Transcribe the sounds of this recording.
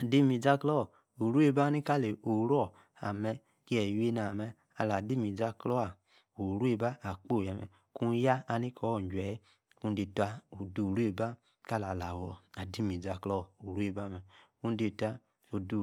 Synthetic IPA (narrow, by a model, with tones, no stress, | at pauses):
a˨di˦mi˨d͡za˦klɔ˦˨ | o˨ɾu˦e˦ba˦ni˦ka˦˨le˨o˨˦ɾɔ˦˨ | a̰˨mɛ˧ | ki˦ɛ˨we˦na˨mɛ˧ | a˧˨la˨di˦mi˨d͡za˧klɔ˦a˨ | o˨ɾu˦e˧ba˦a˨k͡po˦˨jɛ˨mɛ̰˨ | ku˦ja˦a˧ni˦kɔ˨˦ɔ˦˨d͡ʒʷɛ˨˦ | ku˦de˧tʷa˧o˨du˨ɾu˦e˦˨ba˦ | ka˦˨la˨la˨wɔ˨a˨di˦mi˨d͡za˧˦klɔ˦˨o˨ɾu˦e˦˧˨ba˦˨mɛ˨ku˦de˧˨ta˧ | o˨du˨